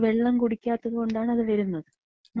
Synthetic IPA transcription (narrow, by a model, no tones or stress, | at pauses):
ʋe̞ɭːɐmkuɽikʲːaːt̪ːɐðɨkoɳɖaːɳɐðɨʋɐɾunːɐðɨ | n